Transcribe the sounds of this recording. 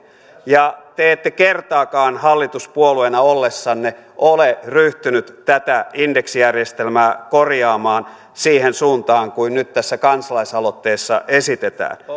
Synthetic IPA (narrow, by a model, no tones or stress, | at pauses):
jɑt̪eet̪ːekert̪ɑːkɑːnhɑlːit̪uspuoluenɑolːesːɑnneʔoleryht̪ynyt̪t̪æt̪æindeksijærjest̪elmæːkorjɑːmɑːn | siːhensuːnt̪ɑːŋkuinnyt̪t̪æsːækɑnsɑlɑisɑlot̪ːeːsːɑ̰ʔesit̪et̪æ̰ːn